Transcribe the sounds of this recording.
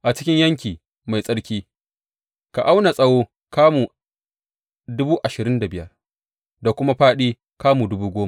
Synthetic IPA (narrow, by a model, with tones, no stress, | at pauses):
ʔa˨t͡ʃɪ̥˦kʲɪ˦ɲjɐ˦ŋkʲiː˨ | ma˨jsʼɐ˦ɽkʲiː˦ | ka˨ʔa˦wna˨sʼɐ˦woː˦ | kaː˦muː˨ | dʊ˦buː˦ʔa˨ʃɪ˨ɾɪ˦nda˨bɪ˦jɐ̰˦r | da˨kʷʊ˦ma˦ɸaː˦ɗiː˦ | kaː˦muː˨dʊ˦buː˦ɡʷoː˦ma˨